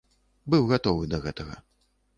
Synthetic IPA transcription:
bɨwɣat̪ɔvɨd̪ɐɣɛt̪ɐɣɐ̰

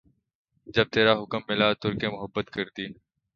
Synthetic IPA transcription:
d͡ʒɐb̚t̪eːɾaɦʊkəmːɪlat̪ʊɾkemʊɦəbːət̪kɐɾd̪iː

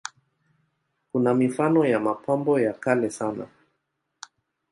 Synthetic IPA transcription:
kunamifanɔjamapʰambɔjakalɛsana̰

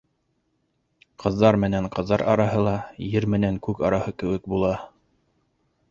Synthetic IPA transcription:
qʰɤ̆ðːɑɾmɘ̆næɴqɤ̆ðːɑɾʔɑ̰ɾɑɦɤlˠɑjɘɾmɘ̆næŋkʉkɑ̰ɾɑhɤkɘ̆wɘ̆k̚bulˠɑ

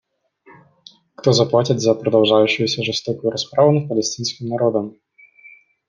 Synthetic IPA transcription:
kt̪ɔzɐplˠatʲid̪ʲzɐpɾɐd̪ɐwʐajʊɕːʊjusʲɐʐɨst̪ɔkʊjuɾaspɾavʊnɐpɐlʲɛsʲtʲinsʲkʲimnaɾɔd̪ɐm

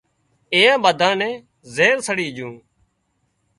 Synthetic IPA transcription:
ẽːãːɓəd̪ʱãːnɛ̃ː | zeːɾsəɽiːd͡ʒũː

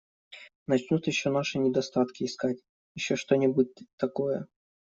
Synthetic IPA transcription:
nɐt͡ɕnʲut̪jɪɕːonaʂɨnʲɪd̪ɐst̪at̪kʲɪːskatʲ | jɪɕːoʂt̪o̞nʲɪbut̚ʲt̪ɐko̞jə̰

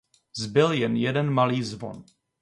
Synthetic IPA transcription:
zbɪljɛnjɛdɛnmaliːzvo̰n

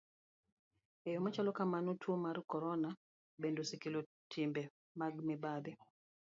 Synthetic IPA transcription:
ejomat͡ʃalɔkamanotʰwomaɾkɔɾɔna | bendosikilo | tʰimbɛ | maɡmɛbad̪ɛ

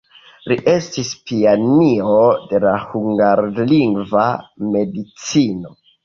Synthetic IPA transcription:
liʔe̞stispianiode̞lahuŋɡaɾliŋɡvame̞dit͡sino̞

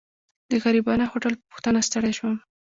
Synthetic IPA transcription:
d̪əɣaɾibɑnaxoʈəlpəpʊ̥xt̪anast̪əɽajʃwam

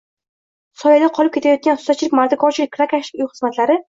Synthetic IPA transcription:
sɒjad̪aqʰɒlˠɪp̚kʲe̞t̪ʰajɒt̪̚kʲanχʊ̥sat̪̚t͡ʃɪlɪkʲmaɾt̪akʰɒɾt͡ʃʰɪlɪkʲkʰːɾakʰaʃɪ̥kʲʊjχɨzmat̪laɾɪ

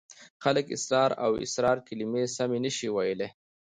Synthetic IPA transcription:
xaləkɪ̰sɾɑːɾa̰wɪ̰sɾɑːɾkɪlimesamenəʃiwajəle

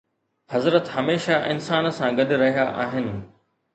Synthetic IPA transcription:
hɐzɾət̪ɦɐmeːʃaʔɪnsaːnsãɡɐɗɾɐɦijaʔaːɦɪnɪ̆

